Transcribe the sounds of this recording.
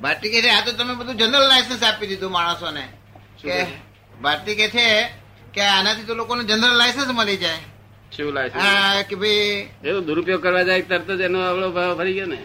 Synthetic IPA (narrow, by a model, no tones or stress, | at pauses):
bʱaɾt̪iket̪ʰeat̪ot̪əmebəd̪ʱũd͡ʒənɾəlːajsəns̬apid̪id̪ʱũmaɽ̃əsone | ke | bʱaɾt̪iket͡ʃʰe | keanat̪ʰit̪olokonũd͡ʒənɾəlːaɪsənsməlid͡ʒae | t͡ʃʰulajsəɦnãkebʱajet̪od̪uɾupjokəɾʋad͡ʒaet̪əɾt̪od͡ʒenoaʋɭobʱaʋpʰəɾiɡjone